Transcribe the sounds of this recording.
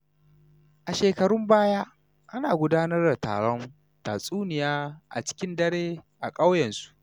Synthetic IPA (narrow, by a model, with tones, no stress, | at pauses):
ʔa˨ʃeː˨kɐ˨ɽʊ˦mbaː˦jaː˦ | ʔa˦naː˨ɡʷʊ˦daː˦nɐ˦rda˨ta̰ː˨ɽɔ˦n | taː˨sʼuː˦nɪ˨jaː˦ʔa̰˨t͡ʃɪ̥˦kʲɪ˦ndɐ˦ɽeː˦ʔa˨kʼa˦wjɐ˨nsu̥˦ʔ